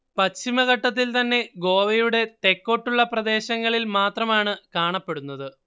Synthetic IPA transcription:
pɐt͡ɕːimɐɣɐʈːɐt̪̬ːilt̪ɐnːe̞ɡo̞ːʋɐjuɽe̞t̪e̞kːo̞ʈːuɭːɐprɐd̪e̞ːɕɐŋːɐɭilmaːt̪rɐmaːɳɨkaːɳɐpːe̞ɽunːɐðɨ

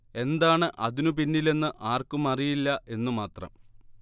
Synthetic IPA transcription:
e̞nd̪aːɳɨʔɐ̰ðinupinːile̞nːɨʔaːrkumɐrijilːɐʔe̞nːumaːt̪rɐ̰m

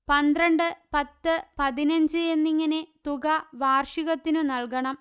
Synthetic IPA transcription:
pɐnd̪rɐɳɖɨpɐt̪ːɨpɐðinɐɲd͡ʑɨenːiŋːɐne̞t̪uɣɐʋaːrʂiɣɐt̪ːinunɐlkɐɳɐm

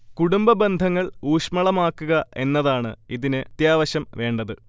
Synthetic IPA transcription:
kuɽumbɐbe̞nd̪ʱɐŋːɐɭuːʂmɐɭɐmaːkːuɣɐʔe̞nːɐðaːɳɨ̰iðinɨt̪jaːʋɐɕɐmʋe̞ːɳɖɐðɨ

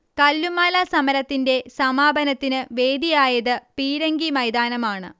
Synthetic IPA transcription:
kɐlːumaːlɐsɐmɐɾɐt̪ːinde̞sɐmaːbɐnɐt̪ːinɨʋe̞ːd̪ijaːjɐðɨpiːɾɐŋɡimɐjd̪aːnɐmaːɳɨ̰

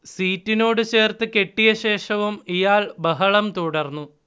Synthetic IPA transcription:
siːtːino̞ːɽɨt͡ɕe̞ːrt̪ɨke̞ʈːijɐɕe̞ːʂɐʋumijaːɭbɐɦɐɭɐmt̪uɽɐrnːu

